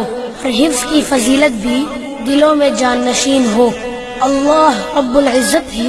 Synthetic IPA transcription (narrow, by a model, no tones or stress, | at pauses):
ɔːɾɦɪfz̥kifɐziːlət̪̚bʱi | d̪ɪlõmẽd͡ʒaːnːɐʃiːnɦoː | ɐlːaːɦɾɐbːʊlɪzːət̪ɦ